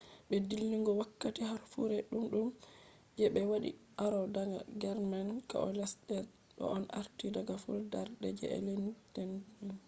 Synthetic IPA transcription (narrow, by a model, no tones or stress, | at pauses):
ɓɛdilːiŋɡɔwakːatihaɾfuɾɛɗumɗum | d͡ʒɛɓɛwaɗḭ | aɾɔdaɡa̰ɡɛɾmanka̰ʔɔ̰lɛsɗɛ | ɗɔ̰ʔɔnaɾtidaɡafuɾdaɾdɛd͡ʒɛ̰ɛ̰lentɛnɛn